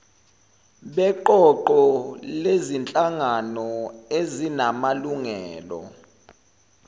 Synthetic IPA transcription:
ɓɛǃɔǃɔlezint͡ɬʼaŋanɔezinamaluŋɛːlɔ̰

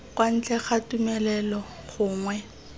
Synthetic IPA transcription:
kwan̩t͡ɬɛχatumɛlɛlɔ | χʊːŋwɛ

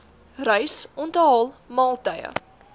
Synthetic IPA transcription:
rœɥsɔntəɦɑːlˠmɑːlˠtəjə̰

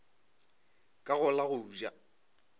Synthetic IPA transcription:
kʼaɣʊlaɣʊd͡ʒa

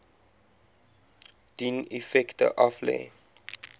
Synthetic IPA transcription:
d̥inifɛktə̰ʔɔflɛ̰

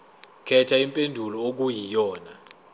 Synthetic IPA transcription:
kʰɛtʰaimpʼendʱulɔok̬ujijɔːna

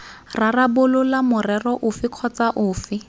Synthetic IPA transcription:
rarabʊlʊlamʊrɛrɔʔʊfɪkʰɔt͡saʔʊːfɪ

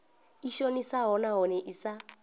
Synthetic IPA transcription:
iʃonisaɦɔnaɦɔnɛʔisa

